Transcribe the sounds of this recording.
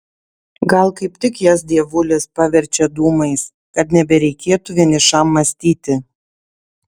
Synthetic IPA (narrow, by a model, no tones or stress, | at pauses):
ɡɐlˠkɐɪpt̪ʲɪkjɛsd̪ʲiɛʋʊlʲespɑːʋʲɛɾʲt͡ʃʲɛd̪uːmɐɪs | kɐt̪nʲɛbʲɛɾʲɛɪkʲeːt̪uʋʲiɛnʲɪʃɐmːɐsʲt̪ʲiːt̪ʲɪ